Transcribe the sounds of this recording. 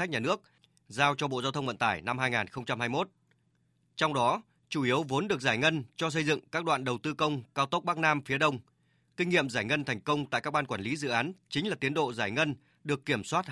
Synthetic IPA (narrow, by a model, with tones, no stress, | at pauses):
k̚ɲaː˨˩nɨ˦˥ək̚ | zaː˧wt͡ɕɔ˧ɓo̰˧˨zaː˧wt̪ʰə˧wŋ͡mvə̰˧˨nt̪aː˧˩jna˧mhaː˧jŋaː˨˩nxə˧wŋ͡mt͡ɕa˧mhaː˧jmo˦˥t̚ | t͡ɕɔ˧wŋ͡mɗɔ˨˦ | t͡ɕu˧˩ʔi˨˦əwvo˨˦nɗɨ˨˩ək̚zaː˧˩jŋə˧nt͡ɕɔ˧s̬ə˧jzɨ̰˧˨ŋkaː˦˥k̚ɗwa̰ː˧˨nɗə˨˩wt̪ɨ˧kə˧wŋ͡mkaː˧wt̪o˦˥k͡p̚ɓaː˦˥k̚naː˧mfi˨˦əɗə˧wŋ͡m | kï˧ŋ̟ŋḭ˧˨əmzaː˧˩jŋə˧nt̪ʰɛ˨˩jŋ̟kə˧wŋ͡mt̪a̰ː˧˨jkaː˦˥k̚ɓaː˧nkwaː˧˩li˨˦zɨ̰˧˨ʔaː˨˦nt͡ɕï˨˦ŋ̟laː˨˩t̪i˨˦ənɗo̰˧˨zaː˧˩jŋə˧n | ɗɨ˨˩əkːi˧˩əmswaː˦˥t̚